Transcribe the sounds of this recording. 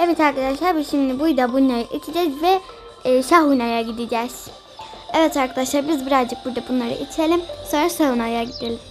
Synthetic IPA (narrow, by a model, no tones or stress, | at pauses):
ɛvɛt̪ʰaɾkʰad̪aʃlˠaɾbuʃimd̪ibujd̪abunːˠaɾɯʔit͡ʃʰid͡ʒɛzvɛ | ʃaɦunajaɡid̪id͡ʒɛz̥ | ɛvɛt̪ʰaɾkʰad̪aʃlˠaɾbizbiɾazd͡ʒɯk̚buɾd̪abunlˠaɾɯ̰ʔit͡ʃʰelʲimso̞nɾasajunajaɟid̪elʲim